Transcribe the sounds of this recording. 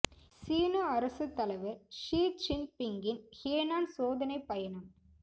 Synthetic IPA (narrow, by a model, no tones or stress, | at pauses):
siːnɐɐɾɐsɯt̪ːɐlɐʋɐɾʂiːt͡ʃɪnpɪŋɡɪnheːnaːnsoːðɐnɐɪpːɐjɐnɐm